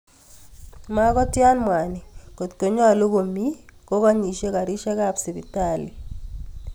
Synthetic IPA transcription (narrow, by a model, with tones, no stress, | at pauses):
ma˦kɔ˦tja˦nmwa˨ni˨ko˨tko˨ɲɔ˦˨lo˦ko˨mi˦ko˦kɔ˦ɲi˨ʃe˦ka˨ɾi˦ʃɛ˦ka˦˨psi˨bi˨ta˨li˨